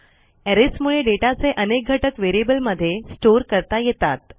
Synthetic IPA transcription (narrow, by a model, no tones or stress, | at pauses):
ɛɾesmuɭeɖeʈat͡seʔənek̚ɡʱəʈəkʋeɾiebəlməd̪ʱːjesʈoɾkəɾt̪ajet̪at̪̚